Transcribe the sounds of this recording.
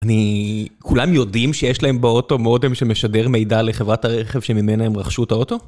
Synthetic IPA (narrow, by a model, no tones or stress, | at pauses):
anikulamjo̞dimʃejeʃlae̞mbeo̞to̞modemʃemeʃade̞ʁmejdale̞χevʁataʁeχe̞v̥ʃemimenaemʁaχʃutao̞to̞